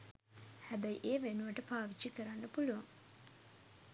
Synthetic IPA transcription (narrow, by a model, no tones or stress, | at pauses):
hæbæjiʔeːʋenuʋəʈəpaːʋit͡ʃːikəɾanːəpuluʋaŋ